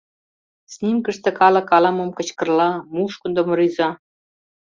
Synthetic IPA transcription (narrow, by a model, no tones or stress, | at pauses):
snʲimkə̆ʃt̪ĕkɑlɑ̆kɑlɑmɤ̆mkɤ̆t͡ɕkɤ̆rlɑmuʃkŭnd̪ŏmɤ̆ɾyzɑ